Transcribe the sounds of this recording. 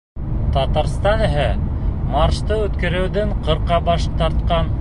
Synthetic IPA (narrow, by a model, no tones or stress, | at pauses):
t̪ɑt̪ɑɾst̪ɑnɘ̆ɦɘmɑɾʃt̪ɤʉt̪kɘ̆ɾɘ̆wðɘɴqɤ̆ɾqɑbɑʃt̪ɑɾt̪qɑn